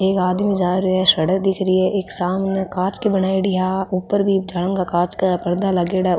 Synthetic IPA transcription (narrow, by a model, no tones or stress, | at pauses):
eːkaːd̪mĩzaːɾeɛʃɐɽək̚d̪ɪkʰɾiɛʔeːksaːmnekãːt͡ʃkibənaːiɽɪjaʊpːəɾbʱid͡ʒalə̃ŋɡakaːt͡ʃkapɐɾd̪alɐɡeːɽa